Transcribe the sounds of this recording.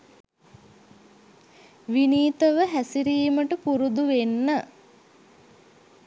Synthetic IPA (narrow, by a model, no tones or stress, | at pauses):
ʋiniːt̪əʋəɦæsiɾiːməʈəpuɾud̪uʋenːə